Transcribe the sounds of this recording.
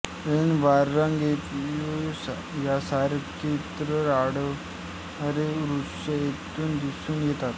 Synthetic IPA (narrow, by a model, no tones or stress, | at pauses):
enʋaɾːãŋɡet̪os | jasaɾkit̪ɾəɾaɽə | əɾeɾu | əet̪uːnd̪isuːnjet̪at̪